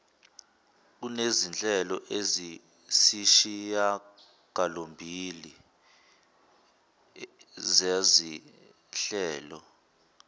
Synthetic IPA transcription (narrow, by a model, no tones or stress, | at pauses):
k̬unezint͡ɬʼɛlɔʔezi | siʃija | ɡ̥ʱalombʱili | zazi | ɬɛːlɔ̰